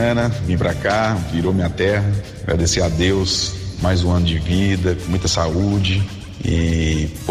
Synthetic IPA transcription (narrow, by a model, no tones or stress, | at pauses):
nɐvĩpɾakaviɾomĩɐt̪ɛɦɐaɡɾʔa̰d̪esead̪ewsmajzũɐ̃nʊd͡ʒɪvid̪ɐkõmũj̃t̪ɐsaud͡ʒɪ | ḭp